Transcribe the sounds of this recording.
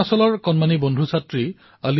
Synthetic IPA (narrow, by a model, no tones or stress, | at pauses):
asɔlɔɹkɔnmanibondʱusatɹi | ali